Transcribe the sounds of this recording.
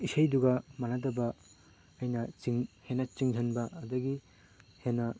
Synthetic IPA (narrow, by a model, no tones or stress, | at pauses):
isɐjduɡɐmanadɐbɐː | jnɐt͡ʃiŋhenɐt͡ʃiŋzʰʱɐnbɐːdɐɡi | henɐ